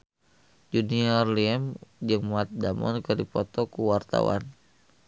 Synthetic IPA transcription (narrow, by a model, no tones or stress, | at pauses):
d͡ʒuniɔrliɛmd͡ʒɨŋmat̪̚damɔ̰nkɨrdipɔt̪ɔkuwart̪a̰wa̰n